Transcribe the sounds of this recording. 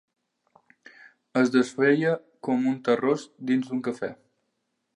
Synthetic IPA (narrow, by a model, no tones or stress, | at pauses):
əzd̪əsfeʎə | kɔmunt̪ərosd̪inzd̪uŋkəfɛ